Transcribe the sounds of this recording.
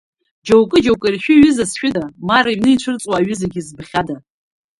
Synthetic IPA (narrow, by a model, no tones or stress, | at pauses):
d͡ʒowkʼɨd͡ʒowkʼɨrʃᶣʊɥɪzasʃᶣʊdamaɾaiɥnɨiʈ͡ʂʷʰɨrt͡sʼwaːɥɪzaɡʲizbχʲada